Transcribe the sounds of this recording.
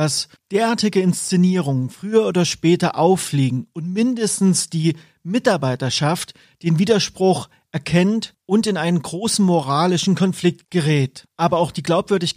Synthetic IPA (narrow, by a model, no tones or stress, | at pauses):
d̥as | d̥eːɐʔaːɐtɪɡəɪnst͡seniːʁ̞ʊŋənfʁ̥yːɐoːdɐʃpɛːtɐʔaʊfleːɡŋ̩ʔʊntmɪndəstn̩sd̥iː | mɪtaɐbaɪtɐʃaft | d̥eːnviːdɐʃpʁ̥ʊx | ʔɛɐkʰɛntʔʊntɪnʔaɪnənɡʁoːsn̩moʁaːlɪʃn̩kʰɔnflɪk̚t̚ɡ̥əʁɛːtʔaːbɐaʊxd̥iːɡlaʊpv̥ʏɐdɪç